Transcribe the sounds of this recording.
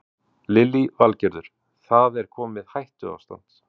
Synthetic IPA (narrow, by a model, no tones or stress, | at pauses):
lɪlivalcɛɾðʏɾ̥ | θaðɛɾ̥kʰɔːmɪðhajht̪ʏa̰wst̪a̰n̥t̪